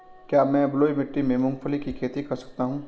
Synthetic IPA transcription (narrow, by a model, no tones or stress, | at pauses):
kjaːmɛ̃ːbloːimɪʈːimẽmʊ̃ŋɡfʰəlikikʰeːt̪ikɐɾsɐ̥k̚t̪aɦũː